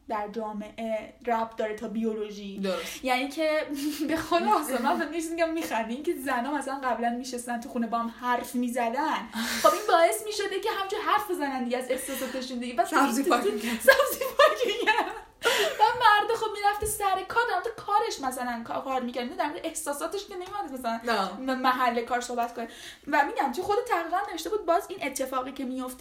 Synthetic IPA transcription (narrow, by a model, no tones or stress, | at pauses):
d̪æɾd͡ʒɒːme̞ʔe | ræfd̪ɒːɾet̪ʰɒbiolo̞ʒid̪oɾosjæniːcʰebexod̪sɒmænfemd̪eʃ̬miɟæmːiːxænd̪iince̞zænɒːmæsælænɡæblænmiʃest̪ænt̪ʰuxuːnebɒːhamhæɾfmiːzæd̪ænχobʔinbɒːe̞smiːʃo̞d̪ecʰe̞ɦæmd͡ʒʰuɾɦæɾfbezænænd̪iɡeæze̞fsɒsɔd̪eʃund̪iɡevæszit̪ːusæbzifɒkʰejæ | væmæɾd̪exob̚miɾæft̪esæɾekʰɒːɾd̪æɾmoɾʁd̪̥ekʰɒːɾe̞ʃmæsælænkʰkʰɒːɾmicʰæɾd̪minɑːd̪æɾmoʁd̪eehsɒːsɒːt̪eʃkenemit̪ujændmæsælænmæɦælːe̞kʰɒːɾso̞hbæt̪kʰone | væmiːɟænt͡ʃʰoxo̞d̪et̪ʰæʁɾiːɣænne̞veʃt̪e̞buːd̪̚bɒːzinʔet̪ʰːe̞fɒːɣiːcʰe̞mijo̞ft̪e